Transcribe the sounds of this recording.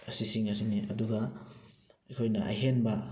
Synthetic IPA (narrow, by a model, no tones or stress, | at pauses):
ɐsisiŋɐs̬iŋniʔɐduɡa | ɐjkʰojnɐʔɐ̰jɦenbɐ